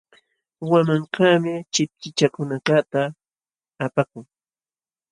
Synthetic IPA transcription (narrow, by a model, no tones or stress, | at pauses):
wamaŋkaːmɪt͡ʃɪp̚t͡ʃɪt͡ʃakʊnakat̪aː | pakʊŋ